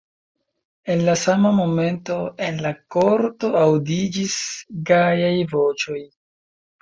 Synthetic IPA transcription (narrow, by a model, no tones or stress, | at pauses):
e̞nlasamamo̞me̞nto̞enlakoɾto̞awdid͡ʒisɡajajvo̞t͡ʃo̞j